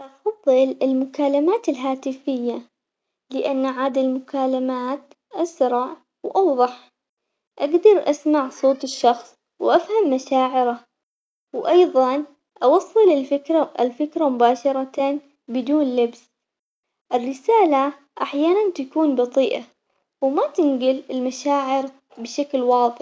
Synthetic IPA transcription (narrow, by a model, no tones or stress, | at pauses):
ʔɑfɑðˤːɨlɪlmʊkaːlamaːt̪ɪlɦaːt̪ɪfɪjːa | lɪʔanːʕaːd̪almʊkaːlamaːt̪ | ʔasɾˤɑʕ | wʔɑwðˤɑħ | ʔaɡd̪ɑɾˤʔasmaʕsˤoːt̪ˤɪʃːɑxsˤ | wʔafhamːaʃaːʕɪɾa | wʔɑjðˤɑn | ʔɑwɑsˤːɨlɪlfɪkɾaɪlfɪkɾamʊbaːʃɑɾˤɑt̪a | bɪd̪uːnlɪbs | ʔɪrːɪsaːla | ʔaħjaːnant̪akuːnbɑt̪ˤiːʔa | wmat̪ɪnɡɪlɪlmaʃaːʕɪɾ | bɪʃaklwɑːðˤɪħ